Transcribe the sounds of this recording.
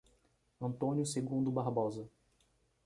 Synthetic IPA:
ɐ̃nt̪õnjʊseɡũnd̪ʊbaɾbɔzɐ

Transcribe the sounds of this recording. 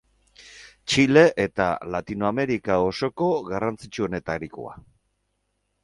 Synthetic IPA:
t͡ʃile̞ʔet̪a̰lat̪inoame̞ɾikao̞so̞ko̞ɣarant͡sit͡ʃuo̞ne̞t̪aɾiko̰a̰

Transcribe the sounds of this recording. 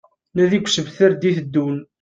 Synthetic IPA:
næðiɡʷsəvθəɾd̪iθd̪ːun

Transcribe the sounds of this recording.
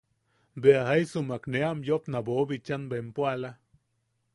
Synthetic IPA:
beaɦajsumakneamjopnabobit͡ʃanbempwala

